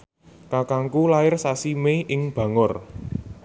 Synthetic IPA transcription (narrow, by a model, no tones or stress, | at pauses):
kakaŋkulaɪrsasimeʔɪŋb̥ä̤ŋʊr